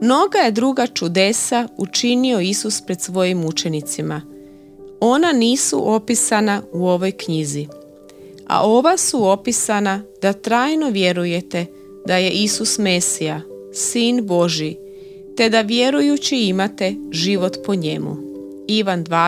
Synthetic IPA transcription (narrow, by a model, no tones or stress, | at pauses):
mno̞ɡaje̞d̪ɾuːɡat͡ʃud̪e̞saut͡ʃinio̞isuspɾe̞d̪sʋo̞jimut͡ʃe̞nit̪sima | o̞naniːsṵʔo̞pisanauo̞ʋo̞jkɲizi | a̰ʔo̞ʋasuo̞pisanad̪̥at̪ɾaːjno̞ʋje̞ɾuje̞t̪e̞ | d̪aje̞ʔisusmesija | siːnbo̞ʒi | t̪e̞d̪aʋje̞ɾujut͡ɕiimat̪e̞ʒiʋo̞t̪po̞ɲe̞mṵ | iʋand̪ʋaː